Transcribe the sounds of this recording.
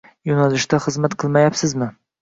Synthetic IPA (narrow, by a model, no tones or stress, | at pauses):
jɒnalɪʃt̪aχɨzmat̪qʰɨlˠmajapsɪzmɪ